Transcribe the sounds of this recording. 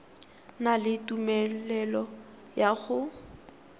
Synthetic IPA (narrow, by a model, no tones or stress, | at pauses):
nalɪtumɛlɛlɔ | jaɣʊ